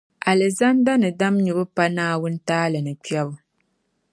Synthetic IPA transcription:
a˨lɨ˨za˦nda˦nɨ˨da˦mɲu˨bɨ˦pa˦naː˦wʊ˦n̩˦taː˦lɨ˨nɨ˨k͡pi˦ɛ˦bʊ˦

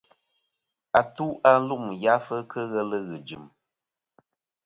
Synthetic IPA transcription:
a˨tu˦ʔa˦n̩˦lu˦ʔm˨ja˦fə˦kʰə˦ɣə˦lə˦ɣɨ˨d͡ʒɨ˨m

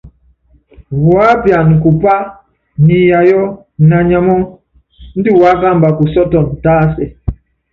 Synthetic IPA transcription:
wwa˦bja˨n˨ku˨pa˦ | ni˨ja˨jɔ˦ | na˨ɲa˦mɔ˦ŋ | n̩˦di˦wa˦ɡa˦˨mba˨ku˨sɔ˦tɔ˨n˨taː˦sɛ˨

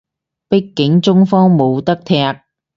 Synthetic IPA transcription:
pɪ˥kːɪ˨˥ŋt͡sʊ˥ŋfɔː˥ŋmo˨˧wt̪ɐ˥k̚t̪ʰɛː˥k̚

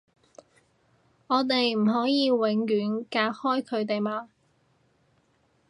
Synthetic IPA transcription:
ŋɔː˨˧t̪e˨jm̩˨˩ɦɔː˨˥jiː˨˧wɪ˨˧˥ŋjyː˨˥nkaː˧hɔː˥jkʰɵ˨˧ɥt̪̬e˨jmaː˧

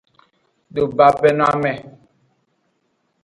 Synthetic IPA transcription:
ɗo˨ba˨pɛ˦na˦mɛ˨

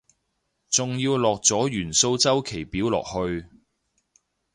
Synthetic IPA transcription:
t͡sʊ˨ŋjiː˧wlɔː˨k̚t͡sɔː˨˥jyː˨˩nso˧wt͡sɐ˥wkʰe˨˩jpiː˨˥wlɔ̰ː˨k̚hɵ˧ɥ

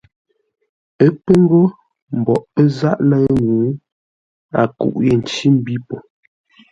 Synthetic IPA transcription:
ə˦k͡pə˦ŋ˦ɡo˦ | m̩˨bɔ˨ʔpə˦za˦ʔlə˦ɣnu˨˦ | a̰˨kṵ˨ʔje˨n˨t͡ʃi˦m̩˦bi˦po˨

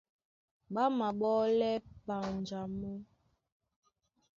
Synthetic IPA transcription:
ɓa˦ma˨ɓɔ˦lɛ˦pa˨nd͡ʒa˨mu˦

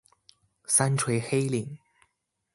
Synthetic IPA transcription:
sa˥nʈ͡ʂʰwe˧˥ɪxe˥ɪli˨˩˦ŋ

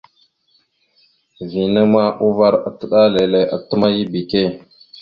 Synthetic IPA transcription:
vi˨nə˦ma˦ʔu˦va˦ɾa˨tə˦ɗa˦le˨le˨ʔa˨tə˦ma˦ji˦bi˨ke˦˨

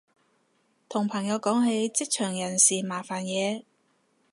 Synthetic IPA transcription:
t̪ʰʊ˨˩ŋpʰɐ˨˩ŋjɐ˨˧wkɔː˨˥ŋɦe˨˥jt͡sɪ˥k̚t͡ʃʰœː˨˩ŋjɐ˨˩nsiː˨˩maː˨˩faː˨˩njɛː˨˧

